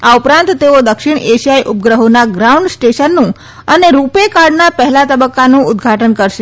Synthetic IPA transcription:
aupɾãnt̪t̪ːeod̪əkʃɪɽ̃eʃijajʔʊp̚ɡɾəɦonaɡɾauɳɖsʈeʃənːũ | əneɾupekaɾɖnapəɦɛlat̪əbəkːanũʊd̪ɡʱaʈənkəɾʃe

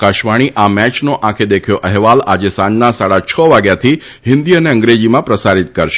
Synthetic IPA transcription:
kaʃʋaɽ̃iʔamɛt͡ʃnoʔãkʰed̪ekʰjoʔɛɦʋalad͡ʒesãnnasaɽat͡ʃʰəʋaɡjat̪ʰi | ɦɪ̃nd̪iəneə̃ŋɡɾed͡ʒimãpɾəsaɾit̪̚kəɾʃe

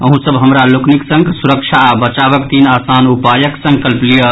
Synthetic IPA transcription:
əɦũsəbɦəmɾalokniksə̃ŋɡsuɾəkt͡ʃʰaːbət͡ʃabəkt̪inasanupajəksə̃ŋkəlplijə

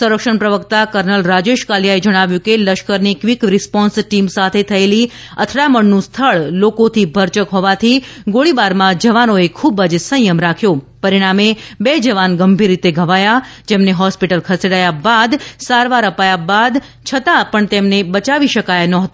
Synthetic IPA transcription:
suɾəkʃəɳpɾəʋəkt̪akəɾnəlɾad͡ʒeʃkaljaed͡ʒəɽ̃aʋjũkeləʃkəɾnikʋikɾispɔ̃nsʈimsat̪ʰet̪ʰəeli | ət̪ʰɽaməɳnũst̪ʰəɭlokot̪ʰibʱəɾt͡ʃəkɦɔʋat̪ʰiɡoɭibaɾmãd͡ʒəʋanoekʰubəd͡ʒsə̃jəmɾakʰjopəɾiɽ̃amebed͡ʒəʋanɡəmbʱiɾːit̪eɡʱəʋajad͡ʒemneɦɔspiʈəlkʰəseɽajabad̪saɾʋaɾəpajabad̪ | t͡ʃʰət̪apəɳt̪emnebət͡ʃaʋiʃəkajnɔɦət̪

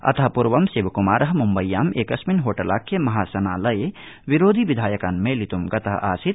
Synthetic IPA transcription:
ɐ̰t̪ʰɐɦpuɾʋɐmseːʋkumaːɾɐɦmumbɐjːaːmeːkɐsminɦoːʈɐlaːkːemɐɦaːsɐnaːlɐjeʋiɾoːd̪ʱiʋid̪ʱaːjɐkanmẽlit̪umɡɐt̪ɐɦʔaːsit̪̚

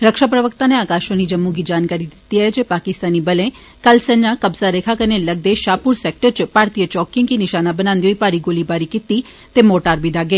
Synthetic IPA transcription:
ɾəkʃapɾəʋəkt̪aneaːkaːʃonid͡ʒəmːuɡid͡ʒaːnkaɾid̪ɪt̪iəed͡ʒepaːkɪst̪aːnibəlẽ | kəlsə̃ɲːakəbzaɾekʰakəɾneləɡ̚d̪eʃaːpuɾsek̚ʈəɾt͡ʃpaːɾt̪ijət͡ʃɔːkɪ̃ŋɡkinɪʃaːnabənãːnd̪ioːipaːɾiɡoːlibaːɾikɪt̪i | t̪emoːʈaːɾbid̪ʱaɡeː

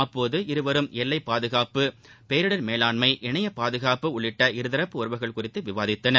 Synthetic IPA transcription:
ɐpːoːðɯɪɾɯʋɐɾɯmɛlːɐɪpːaːðɯɣaːpɯpeːɾɯɽɐɾmeːlaːnmɐɪʔɛɳɐjɐpaːðɯɣaːpɯʊɭːɪʈːɐɪɾɯðɐɾɐpːɯɔɾɯʋɐɪɣɐɭkʊrɪt̪ːɯʋɪʋaːðɪt̪ːɐnɐɾ

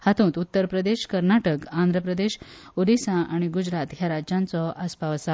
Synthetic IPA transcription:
hat̪ũːt̪ut̪ːəɾpɾəd̪eɕkəɾnaʈəkãnd̪ʱɾəpɾəd̪eɕod̪isãʔaɽ̃iɡud͡ʑɾat̪ɦjaɾad͡ʑãnt͡sɔaspaʋəsa

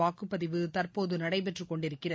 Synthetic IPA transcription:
aːkɯpːɐðɪʋɯt̪ɐrpoːðɯnɐɽɐɪpɛʈrɯkːɔɳɖɪɾɯkːɪrɐ

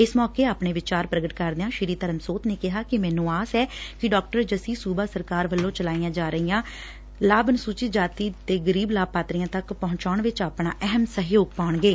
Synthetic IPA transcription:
ɪsmɔːkeːaːpɳeːʋɪt͡ʃaːɾpɾəɡəʈkəɾd̪eãːʃɪɾiːt̪əɾəmsoːt̪neːkɪɦaːkɪmɛːnũːaːsɛːkɪɖɔːk̚ʈəɾd͡ʒəsiːsuːbaːsəɾkaːɾʋəlːõːt͡ʃəlaːijãːd͡ʒaːɾəɦijãː | laːbnsuːt͡ʃɪt̪̚d͡ʒaːt̪iːt̪eːɡəɾiːblaːb̚paːt̪ɾijãːt̪əkpɔɦʊ̃ɲt͡ʃaːɳʋɪt͡ʃaːpɳaːʔɛɦəmsəɦjoːɡ̚paːɳɡeː

